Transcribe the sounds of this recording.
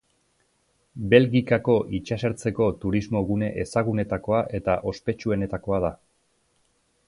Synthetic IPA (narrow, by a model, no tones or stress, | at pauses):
be̞lɣikako̞ʔit͡ʃaseɾt͡se̞ko̞t̪uɾizmo̞ɣune̞ʔesaɣune̞t̪ako̞aʔe̞t̪aʔo̞spe̞t͡ʃue̞ne̞t̪ako̞að̞a